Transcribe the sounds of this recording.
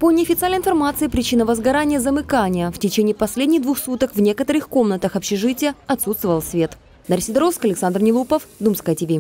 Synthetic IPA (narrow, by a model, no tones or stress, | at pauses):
ponʲɪɐfʲɪt̪sɨalʲəɪnfɐrmat̪sɨɪpɾʲɪt͡ɕinəvəzɡɐɾanʲɪjəzəmɨkanʲɪjəftʲɪt͡ɕenʲɪiːpɐsʲlʲedʲnʲɪɣd̪vuxsut̪əkvnʲe̞kət̪əɾɨxkomnət̪əxɐpɕɪʐɨtʲɪjəɐt̪sut̪st̪vəvəlˠsʲvʲe̞t̪ | d̪ɐɾʲsʲɪd̪ɾoskɐlʲɪksand̪rnʲɪlˠupəfd̪umskɐɐtʲɪvʲi